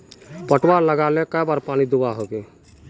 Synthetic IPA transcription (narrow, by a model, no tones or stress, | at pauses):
pəʈwaːɾləɡaːlekəjbaːɾpaːnid̪ʊbaɦoːɡeː